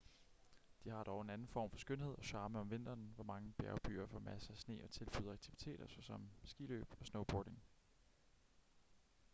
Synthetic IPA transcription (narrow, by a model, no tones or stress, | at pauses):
d̥ihɑ̈d̥ɒʊe̝nænn̩fɒ̰ːmfɒ̥̽sɡ̥øn̰he̝ð̰ˠɒ̽ɕɑ̈ːməɒ̽mʋe̝n̰d̥ɐːnʋɒmɑ̈ŋəb̥æɐʊb̥y̰ːɐfɒ̽mæsəæsne̝̰ːɒ̽t͡sʰe̝lb̥yðˠɐɑɡ̥̚t͡sʰiʋit͡sʰe̝̰ːɾ̥ɐsɒsɒ̽msɡ̥ilø̰ːb̥ɒ̽snoʊb̥oːɾe̝ŋ